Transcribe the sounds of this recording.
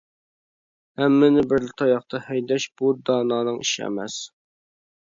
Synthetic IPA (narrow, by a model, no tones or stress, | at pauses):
hɛmːɪnɪbɪɾlɪt̪ʰɑjɑχt̪ʰɑhɛjd̪ɛʃb̥ud̪ɑːnɑːnɨŋḭʃiɛ̰mɛ̰s